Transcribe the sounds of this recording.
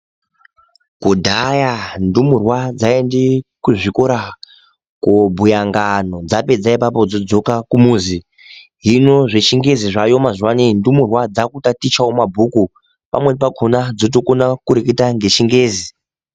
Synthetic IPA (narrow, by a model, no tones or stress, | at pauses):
kudʱajandumurwad͡zaendekuʐiko̞ɾa | kobʱujaŋɡano̞d͡zape̞d͡zaipapo̞d͡zod͡zo̞kakumuːzi | ɦino̞ʐet͡ʃiŋɡe̞ziʐajo̞mazwanindumurwad͡zakutatit͡ʃaomabʱuku | pa̰mwepakʰonad͡zot̬o̞ko̞nakuɾeketaŋɡe̞t͡ʃiŋɡeːzi